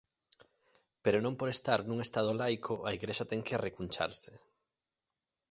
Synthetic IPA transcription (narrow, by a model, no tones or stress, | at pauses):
peɾonõmpoɾest̪aɾnũŋest̪aðolajkʰoʔaiɣɾeʃat̪ɛŋkɪrekunt͡ʃa̰ɾsɪ̥